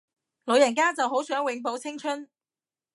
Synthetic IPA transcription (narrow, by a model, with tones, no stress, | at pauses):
lo˨˧wjɐ˨˩nkaː˥t͡sɐ˨wɦo˨˥wsœː˨˥ŋwɪ˨˥ŋpo˨˥wt͡sʰɪ˥ŋt͡ʃʰɵ˥n